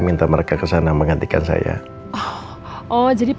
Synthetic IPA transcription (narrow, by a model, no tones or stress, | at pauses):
mint̪aməɾekakəsanajŋməŋɡant̪ikansa̰ja̰ | ɔ | ʔɔd͡ʒadip